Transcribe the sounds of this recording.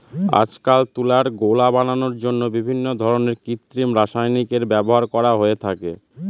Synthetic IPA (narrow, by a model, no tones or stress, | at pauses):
a̰d͡ʑkalt̪ulaɾɡolabananoɾd͡ʑonːobibʱinːod̪ʱɔɾoneɾkit̪ːɾimɾaʃajnikeɾbɛboɦaɾkɔɾaɦoet̪ʰake